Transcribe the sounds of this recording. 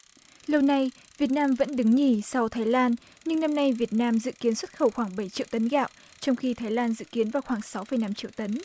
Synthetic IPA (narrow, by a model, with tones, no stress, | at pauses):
lə˧wna˧j | vi˨˩ət̚naː˧mvə̰˧˥nɗɨ˨˦ŋŋi˧˩sa˧wt̪ʰaː˨˦jlaː˧n | ɲɨ˧ŋna˧mna˧jvi˨˩ət̚naː˧mzɨ̰˧˨ki˨˦ənswə˦˥t̚xə˧˩wxwaː˧˩ŋɓə˧˩jt͡ɕḭ˧˨əwt̪ə˨˦nɣaː˧˨wʔ | t͡ɕɔ˧wŋ͡mxi˧t̪ʰaː˨˦jlaː˧nzɨ̰˧˨ki˨˦ənvaː˨˩wxwaː˧˩ŋsa˨˦wfə˧˩jna˧mt͡ɕḭ˧˨əwt̪ə˨˦n